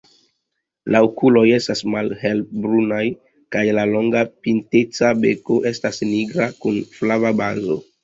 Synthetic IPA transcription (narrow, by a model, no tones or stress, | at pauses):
laokulo̞je̞stasmalhe̞lbɾunaj | kajlalo̞ŋɡapintet͡sabe̞koʔe̞stasniɡɾakunflavabanzo̰